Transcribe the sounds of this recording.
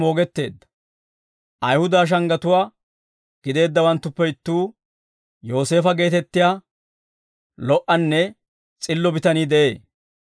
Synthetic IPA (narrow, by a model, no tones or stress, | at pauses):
mo̞ːɡɛt̪ːe̞ːd̪ːɐ̥ | ʔɐjhʊd̪aːʃ̬ɐŋɡɐt̪ʊwaː | ɡ̥ɪd̪e̞ːd̪ːɐwɐnt̪ːʊpːɛɪt̪ːuː | jo̞ːse̞ːfɐɡe̞ːt̪ɛt̪ːɪjaː | lɔʔɐnːɛ | t͡sʼɪlːɔbɪt̪ɐniːd̪ɛʔe̞ː